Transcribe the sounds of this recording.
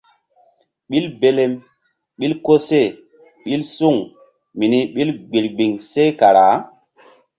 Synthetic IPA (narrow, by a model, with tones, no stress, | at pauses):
ɓi˦lbe˦le˦m | ɓi˦lko˦se˦˨ | ɓi˦lsu˦˨ŋ | mi˨ni˦ɓi˦lɡ͡bi˨ɾɡ͡bi˨ŋse˦ka˨ɾa˨˦